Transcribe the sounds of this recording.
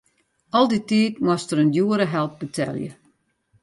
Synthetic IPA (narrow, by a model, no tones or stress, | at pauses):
ɔlˠditiːtmwɔstəɾəndjuəɾəɦɛlˠp̚bətʰɛ̰lˠjə̰